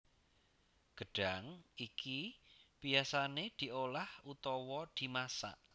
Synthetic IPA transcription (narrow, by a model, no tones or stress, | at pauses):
ɡ̥əɖ̥aŋʔikib̥ijasaned̪̥i̤ʔolahʔut̪ɔwɔd̪̥i̤masa̰ʔ